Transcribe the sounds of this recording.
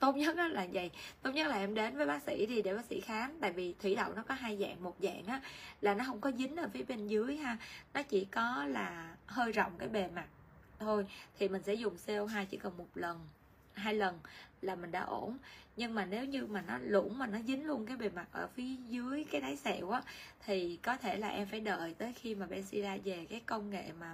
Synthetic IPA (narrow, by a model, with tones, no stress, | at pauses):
t̪o˦˥t̚ɲə˦˥t̚ʔaː˨˦laː˨˩zə̰˧˨jt̪o˨˦˥t̚ɲə˦˥t̚laː˨˩ʔɛ˧mɗe˨˦nvəː˨˦jɓaː˨˦˥k̚sḭ˧˥ɗi˧ɗe˧˩ɓaː˨˦k̚sḭ˧˥xaː˨˦nt̪a̰ː˧˨jvi˨˩t̪ʰwḭ˧˩ɗə̰˧˨wŋ͡mnɔ˨˦kɔ˨˦ɦa˧jza̰ː˧˨ŋmo˨˩t̚za̰ː˧˨ŋʔaː˨˦laː˨˩nɔ˨˦ɦə˧wŋ͡mkɔ˨˦zï˨˦ŋ̟ʔəː˧˩fi˨˦əɓe˧nzɨ˨˦əjɦaː˧nɔ˨˦t͡ɕḭ˧˩kɔ˨˦laː˨˩həː˧jzɔ̰˧˨wŋ͡mkaː˨˦jɓe˨˩ma˨˩t̚ | t̪ʰo˧jt̪ʰi˨˩mï˨˩ŋ̟sɛ̰˧˥zʊ˨˩ŋ͡mse˧wɦaː˧jt͡ɕḭ˧˩kə˨˩nmo˨˩t̚lə˨˩n | ɦaː˧jlə˨˩nlaː˨˩mï˨˩ŋ̟ɗa̰ː˧˥ʔo˧˩nɲɨ˧ŋmaː˨˩ne˨˦wɲɨ˧maː˨˩nɔ˨˦lʊ̰˧˩ŋ͡mmaː˨˩nɔ˨˦zï˨˦ŋ̟lu˧ənk̬aː˨˦jɓe˨˩ma˨˩k̚ʔəː˧˩fi˨˦əzɨ˨˦əjkaː˨˦jɗ̪aː˨˦jsɛ̰˧˨wʔaː˨˦t̪ʰi˨˩kɔ˨˦t̪ʰe˧˩laː˨˩ʔɛ˧mfaː˧˩jɗə̰ː˧˨jt̪əː˨˦jxi˧maː˨˩ɓɛ̰˧˨nsi˧zaː˧ve˨˩kaː˨˦jkə˧wŋḛ˧˨maː˨˩